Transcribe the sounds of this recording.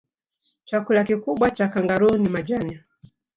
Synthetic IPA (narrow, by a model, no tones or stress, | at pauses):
t͡ʃakulakikuɓwat͡ʃakaŋɡaɾunimad͡ʒana